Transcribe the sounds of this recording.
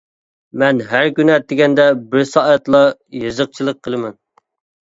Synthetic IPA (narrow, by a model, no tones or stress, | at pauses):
mɛnɦæɾkʲynɛt̪ːɪɡʲɛnd̪ɛbɪɾsɑʔɛt̪lˠɑjɨzəq̚t͡ʃʰilˠəqʰːəlˠɨmɛn